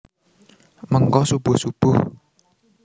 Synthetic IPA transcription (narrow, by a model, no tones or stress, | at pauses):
məŋkɔsub̥ʊhsub̥ʊh